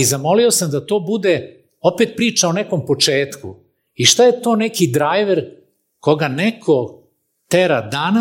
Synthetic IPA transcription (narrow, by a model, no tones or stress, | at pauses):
izamo̞lio̞samd̪at̪o̞ːbud̪e̞ | o̞pet̪̚pɾiːt͡ʃaoneko̞mpo̞t͡ʃe̞ːt̪ku | iʃt̪ajet̪oːnekid̪ɾajʋeɾ | ko̞ɡanekʰo | t̪eɾad̪ana